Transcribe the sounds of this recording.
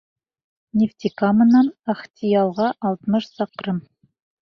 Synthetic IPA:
nʲɪft̪ʲikamɤ̆nɑnaχtʲijɑlˠʁɑʔɑlˠt̪mɤʃsɑqɾɤm

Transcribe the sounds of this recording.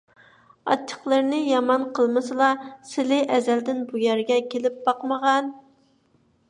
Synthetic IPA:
ɑ̰t͡ʃʰːə̥χlˠəɾnɪjɑmɑnqʰəlˠmɨsɨlˠɑsɪlɪʔɛzɛld̪ɪnbujɛɾɡʲɛkʲelɪp̚b̥ɑqməʁɑn

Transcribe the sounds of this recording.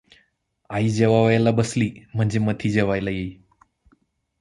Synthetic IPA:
aiːd͡ʑeʋaʋajalabəsliːm̤əɳd͡zemət̪ʰiːd͡ʑeʋajlajei

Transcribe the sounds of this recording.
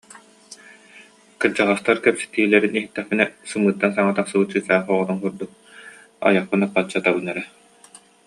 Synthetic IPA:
kɯɾd͡ʑaʁast̪aɾkɛpsɛ̥t̪iːlɛɾiniɦit̪ːɛχpinɛsɯmɯːt̪ːansaŋat̪aqsɯbɯt͡ɕːɯsaːχɔʁɔnɔnkuɾd̪uk̚ | a̰jaχpɯnapːat͡ɕːat̪abɯnːɛɾɛ

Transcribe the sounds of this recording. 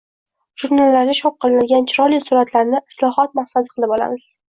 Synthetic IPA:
ʒ̥uɾnalːaɾnʲɪʃʰɒp̚qɨlˠɪnad̪ɡʲant͡ʃʰɪɾɒlisʊɾat̪laɾnɪɪ̥slˠɒɦɒt̪̚maqsad̪ɪqʰɨlˠɪbɒla̰mɪz̥

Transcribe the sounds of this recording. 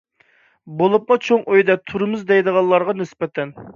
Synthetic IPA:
bolˠup̚mɑt͡ʃʰoŋøjd̪ɛt̪ʰuɾɨmɨzd̪ɛjd̪əʁɑlˠːɑɾʁɑnɪsbɛt̪ʰɛn

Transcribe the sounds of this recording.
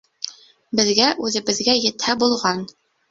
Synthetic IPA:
bɘ̆ðɡæʔʉðɘ̆bɘ̆ðɡæjɘ̆t̪hæbulˠʁɑn

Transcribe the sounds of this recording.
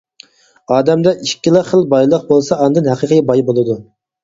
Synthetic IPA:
ɑːd̪ɛmd̪ɛʔiʃkʲːilˠəχəlˠbɑjlˠəq̚bolˠsɑːnd̪ɨnɦæqəqʰəjbɑjbolˠɨd̪u

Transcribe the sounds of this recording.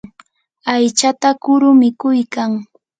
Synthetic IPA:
ajt͡ʃat̪akʊɾʊmɪkʊjkaŋ

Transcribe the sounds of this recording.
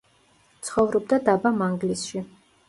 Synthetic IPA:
t̪sʰχɔvɾɔb̚d̪ad̪abamaŋɡlisʃi

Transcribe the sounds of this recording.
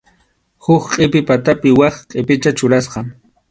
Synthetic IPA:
hʊkqʼɪpɪpat̪apɪwɑχqʼɪpɪt͡ʃat͡ʃʊɾasqɑŋ

